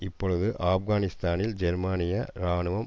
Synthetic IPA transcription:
ɪpːɔɻɯðɯʔaːfɣaːnɪst̪aːnɪld͡ʒɛɾmaːnɪjɐɾaːnɯʋɐm

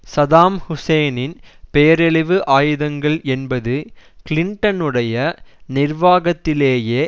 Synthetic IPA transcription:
sɐðaːmhʊsɐjnɪnpejɐɾɛɭɪʋɯʔaːjɯðɐŋɡɐɭɛnbɐðɯkɪlɪɳʈɐnɯɽɐjɐnɪrʋaːɣɐt̪ːɪleːjeː

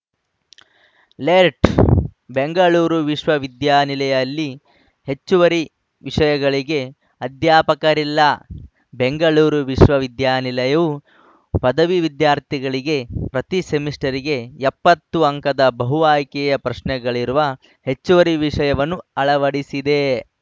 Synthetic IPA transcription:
leːɾʈbeŋɡɐɭuːɾuʋiʂʋɐʋid̪jaːnilɐjɐlːi | he̞t͡ʃːuʋɐɾi | ʋiʂɐjɐɡɐɭiɡe̞ | ɐd̪jaːpɐkɐɾilːɐ | beŋɡɐɭuːɾuʋiʂʋɐʋid̪jaːnilɐjɐʋu | pɐd̪ɐʋiʋid̪jaːɾt̪ʰiɡɐɭiɡe̞pɾɐt̪isemisʈɐɾiɡe̞epːɐt̪ːuɐŋkɐd̪ɐbɐɦuʋaːjkɛjɐpɾɐʃnɛɡɐɭiɾuʋɐ | he̞t͡ʃːuʋɐɾiʋiʂɐjɐʋɐnːuɐɭɐʋɐɽisid̪e̞

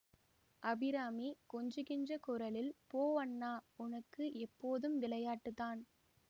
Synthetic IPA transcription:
ʔɐbɪɾaːmikɔɲd͡ʒɯɣɪnd͡ʒrɐkʊɾɐlɪlpoːʋɐnːaːʊnɐkːɯʔɛpːoːðɯmʋɪlɐjaːʈːɯðaːn

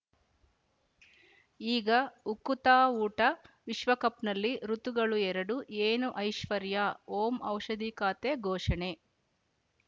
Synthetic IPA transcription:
iːɡɐukut̪aːuːʈɐʋiʃʋɐkɐpnɐlːiɾut̪uɡɐɭuɛɾɐɽuʔeːnuʔɐjʃʋɐɾjaːoːmɐwʃɐd̪ikaːt̪eɡʱɔːʃɐɳe

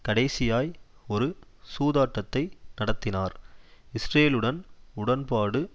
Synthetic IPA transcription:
kɐɽɐɪsɪjaːjɔɾɯsuːðaːʈːɐt̪ːɐɪnɐɽɐt̪ːɪnaːɾɪsɾeːlɯɽɐnʊɽɐnpaːɽɯ

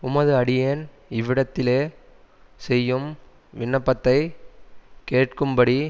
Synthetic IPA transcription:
ʊmɐðɯɐɽɪjeːn | ɪʋɪɽɐt̪ːɪleː | sɛjːɯm | ʋɪɳːɐpːɐt̪ːɐɪ | keːʈkɯmbɐɽi

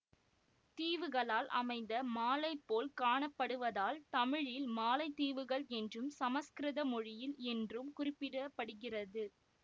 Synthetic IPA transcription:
t̪iːʋɯɣɐɭaːlʔɐ̰mɐɪnd̪ɐmaːlɐɪpːoːlkaːɳɐpːɐɽɯʋɐðaːlt̪ɐmɪɻɪlmaːlɐɪt̪ːiːʋɯɣɐɭɛndrɯmsɐmɐskɾɪðɐmɔɻɪjɪlɛndrɯmkʊrɪpːɪɽɐpːɐɽɯɣɪrɐðɯ

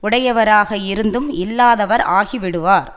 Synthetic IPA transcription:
ʊɽɐjɐʋɐɾaːɣɐɪɾɯnd̪ɯmɪlːaːðɐʋɐɾaːɣiʋɪɽɯʋaːɾ

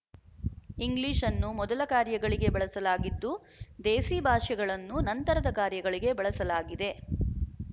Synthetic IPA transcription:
iŋɡliːʂɐnːumɔd̪ɐlɐkaːɾjɐɡɐɭiɡe̞bɐɭɐsɐlaːɡid̪ːu | d̪eːsiːbʱaːʂɛɡɐɭɐnːunɐnt̪ɐɾɐd̪ɐkaːɾjɐɡɐɭiɡe̞bɐɭɐsɐlaːɡid̪e̞

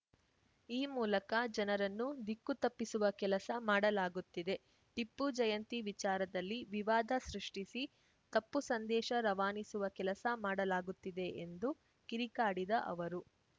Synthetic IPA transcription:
iːmuːlɐkɐd͡ʒɐnɐɾɐnːud̪ikːut̪ɐpːisuʋɐkɛlɐsɐmaːɽɐlaːɡut̪ːid̪e̞ | ʈipːud͡ʒɐjɐnt̪iʋit͡ʃaːɾɐd̪ɐlːiʋiʋaːd̪ʱɐsɾiʂʈisi | t̪ɐpːusɐnd̪ɛːʃɐɾɐʋaːnisuʋɐkɛlɐsɐmaːɽɐlaːɡut̪ːid̪e̞ʔend̪u | kiɾikaːɽid̪ɐʔɐ̰ʋɐɾu

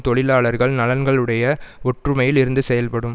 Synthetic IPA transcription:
t̪ɔɭɪlaːɭɐɾɣɐɭnɐlɐnɡɐɭɯɽɐjɐɔʈrɯmɐjɪlɪɾɯnd̪ɯsɛjɐlpɐɽɯm

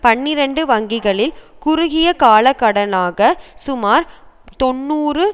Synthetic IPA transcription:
pɐɳːɪɾɐɳɖɯʋɐŋɡɪɣɐɭɪlkʊɾʊɣɪjɐkaːlɐkːɐɽɐlaːɣɐsʊmaːɾt̪ɔnːuːrɯ

